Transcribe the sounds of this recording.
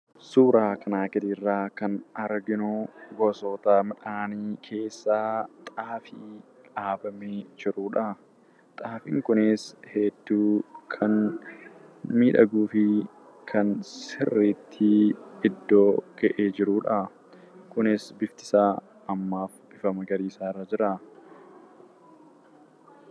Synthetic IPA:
suːɾaːkʰɐnaːkɪd̪irːaːkɐnɐɾɡɪnuɡoso̞ːt̪aːmɐᶑaːniːkʰe̞ːsːaːt̪ʼaːfiː | ᶑaːbɐmeːd͡ʒɪɾuːᶑɐ | t̪ʼaːfɪŋkʊnɪsheːd̪ːuːkʰɐn | miːᶑɐɡuːfɪ | kʰɐnsɪrːeːt̪ʰːiɪd̪ːo̞ːkɐʔeːd͡ʒɪɾuːᶑɐ | kʊnɪsbɪft̪ɪ̥saː | ɐmːaːfb̥ɪfɐmɐɡɐɾiːsaːrːɐd͡ʒɪɾa

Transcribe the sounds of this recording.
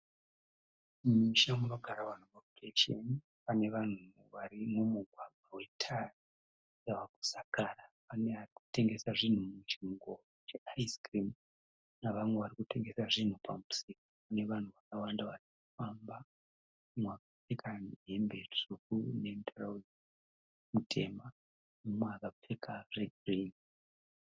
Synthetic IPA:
miʃamuno̞ɡʱaɾawanoopreʃḛn | pane̞ʋan̤u | ʋaɾimumuɡʱwaɡʱwawe̞tʰari | jaʋaku̥sakaːrapaneariku̥te̞ŋɡe̞saʐin̤umut͡ʃŋɡo | t͡ʃeaiskrim | naʋamwe̞ʋaɾikute̞ŋɡe̞saʐin̤upamusikopune̞ʋan̤uʋakawandaʋarikufamba | umwakap͡fe̞kanɦembeʂukune̞ntʰaraw | mutʰe̞̰ma | mumwakap͡fekareɡrin

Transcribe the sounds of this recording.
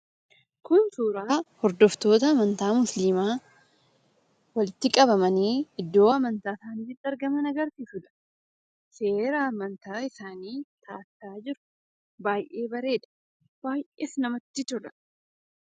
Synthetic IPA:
kʊnsuːɾaːhɔɾd̪ɔft̪o̞ːt̪ɐːmɐnt̪aːmʊslimaː | wɐlɪt̪ːɪkʼɐbɐmɐniːɪd̪ːo̞ːɐmɐnt̪aːsaːniːfɪt̪ːɪɐɾɡɐmɐnɐɡɐɾt̪isʊᶑ̪ɐ̥ | se̞ːɾɐːmɐnt̪aːɪsaːniːt̪ʰaːsaːd͡ʒɪɾʊ̥ | baːjʔe̞ːbɐɾe̞ːᶑ̪ɐ̥ | b̥aːjʔḛːsnɐmɐt̪ːɪt̪ʊɾɐ̥

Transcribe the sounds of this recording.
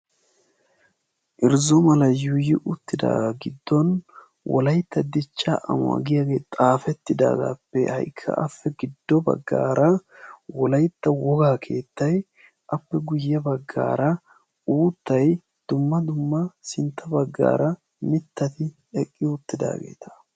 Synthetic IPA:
ʔɪɾzɔmɐlɐjʊjɪʔʊt̪ːɪd̪a̰ːɡaɡɪd̪ːɔn | wʔɔ̰lɐjt̪ːɐd̪ɪt͡ʃːaʔɐ̰mʊa̰ɡɪjaɡe̞ːt̪ʼaːfɛt̪ːɪd̪a̰ːɡa̰ːpːɛ̰hɐ̰jkʰːɐ̰ʔɐfːɛɡɪd̪ːɔbɐ̰ɡːa̰ːɾɐwɔlɐjt̪ːɐwɔɡaːkʰe̞ːt̪ːɐj | ʔɐpːɛɡʊjːɐbɐɡːa̰ːɾɐ | uːt̪ːɐj | d̪̥ʊmːɐd̪ʊmːɐsɪnt̪ʰːɐbɐɡːa̰ːɾɐ | mɪt̪ːɐt̪ɪ | ɛkʼːɪʊt̪ːɪd̪a̰ːɡe̞̰ːt̪ʰɐ̥

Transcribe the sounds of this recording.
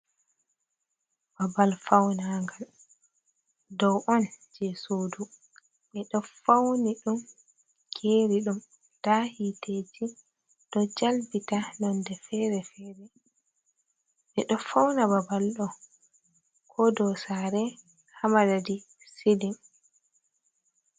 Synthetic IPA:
babalfawnaŋɡal | dɔwʔɔnd͡ʒɛsoːdu | ɓɛɗɔfawniɗum | kʰeɾiɗum | tahited͡ʒi | d̥ɔd͡ʒalbitanɔndɛfɛɾɛfɛːɾɛ | ɓɛɗɔfawnababalɗɔ | kʰɔdɔsaɾɛ | hamadadi | sidim

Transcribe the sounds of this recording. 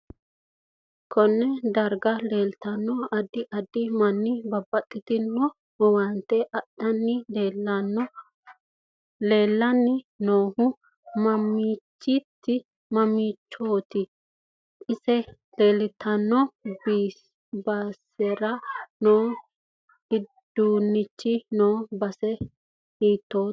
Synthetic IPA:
kʰɔnːɛd̪ɐɾɡɐleːlt̪ɐnːɔɐd̪ɪʔɐd̪ɪmɐnːɪbɐbːɐt̪ʼːɪt̪ɪnːɔ | ɔwɐnt̪ːɛʔɐɗɐnːɪlelnːɔ | le̞ːlːɐnːɪnoːhʊ | mɐmiːt͡ʃːɪt̪ːɪ | mɐmiːt͡ʃːoːt̪ɪ | ʔɪsɛ | leːlɪt̪ʰɐnːɔbi | baːsɛɾɐnoː | hɪd̪̥uːnːɪt͡ʃːɪnoːbɐsɛ | hiːt̪ːoː

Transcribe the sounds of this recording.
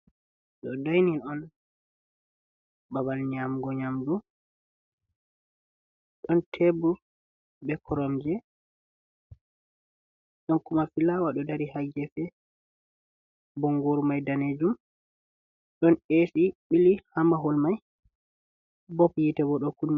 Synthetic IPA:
ɗɔdajninɔn | babalɲamɡɔɲamdu | ɗɔntʰebu | bɛkʰɔɾɔmd͡ʒɛ | ɗɔnkumafilawaɗɔdaɾihaɡɛfɛ | bɔŋɡoɾmajdaned͡ʒum | ɗɔnesiɓilihamaɦɔlmaj | bɔpjitɛbɔɗɔkunː

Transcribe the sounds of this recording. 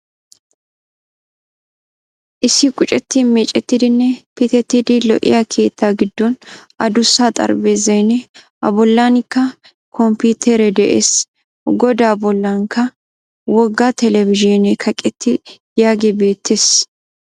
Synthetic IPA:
ʔɪsːɪkʼʊt͡ʃʼɛt̪ːɪmeːt͡ʃʼːɛt̪ːid̪ɪnːɛpɪt̪ɛt̪ːid̪ɪlɔʔɪ̰jɐkʰe̞ːt̪ʰːaːɡɪd̪ːɔn | ɐd̪ʊsːaːt̪ʼɐ̰ɾbeːzɐjnɛ | ʔɐbɔlːaːnɪkːɐ | kʰɔmpuːt̪ʰɛɾɛd̪ɛʔḛːs | ɡɔd̪aːbɔlːaŋkʰɐ | wɔɡːat̪ɛlɛvɪʒɔnɛkʰɐkʼɛt̪ːɪ | jaːɡebe̞ːt̪ʰːeːs

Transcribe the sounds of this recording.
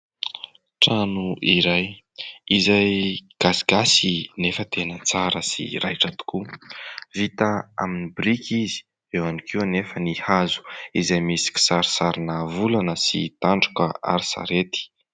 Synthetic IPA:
ʈ͡ʂanuʔiɾaj | izajɡ̥asiɡasinefət̪enət͡saɾəsḭrajʈ͡ʂat̪u̥ku | vit̪aa̰minibɾikʰizi̥ | ewanikʰiunefənihazu̥izajmisi̥kʲi̥saɾi̥saɾinavulanəsḭt̪aɳɖ͡ʐu̥kəa̰ɾisa̰ɾet̪i̥

